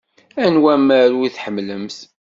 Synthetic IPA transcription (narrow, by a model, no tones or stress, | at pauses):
ænwæmæɾwiθħəmːləmθ